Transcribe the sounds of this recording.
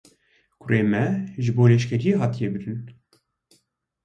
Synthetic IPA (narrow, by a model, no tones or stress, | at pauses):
kʷʰʊreːmɛʒɨboːlɛʃkʲɛɾijeɦɑːt̪ijɛbɨɾɨn